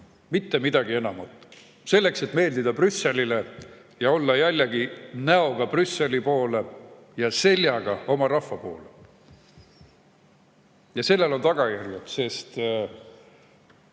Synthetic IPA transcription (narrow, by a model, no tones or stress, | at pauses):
mit̪ːe̞mid̪̥ɑɡie̞nɑmɑt̪ːˑ | se̞lːe̞kse̞t̪ːˑme̞ːld̪id̪ɑprysːe̞lʲile | jɑo̞lːɑjælʲːeɡ̥inæo̞ɡ̥ɑprysːe̞lipo̞ːle̞ | jɑse̞lʲjɑɡ̥ɑo̞mɑrɑhːɑpo̞̰ːle | jɑse̞lːe̞lo̞nt̪ɑɡ̥ɑjærɡut̪se̞st̪